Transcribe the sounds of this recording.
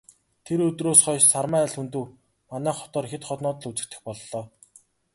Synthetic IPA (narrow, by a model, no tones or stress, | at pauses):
t̪ʰeɾɵt̪roːsχɔjʃsarmæːɮxunt̪ɘ̆w | manæːχɔ̥t̪ɔːrxet̪χɔt̪nɔːt̪ə̆ɮut͡sɘ̆k̚t̪ɘ̆xpɔɮːɔː